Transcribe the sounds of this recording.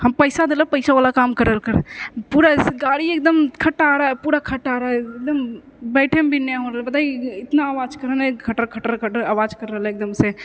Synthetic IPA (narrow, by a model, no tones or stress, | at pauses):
hɐmpəɪsad̪eːləpəɪsaʋaːlakaːmkəɾəlkəɾpuːɾasɡaːɽieːk̚d̪əmkʰɐʈaːɾaːɛpuːɾakʰɐʈaːɾaːeeːk̚d̪əm | bɛːʈʰembʱinaɦõːɾəlbɐt̪aːiɪt̪naːʋaːd͡ʒkɐɾənekʰɐʈəɾkʰɐʈəɾkʰəʈəaːʋaːd͡ʒkɐɾːəleːk̚d̪əmse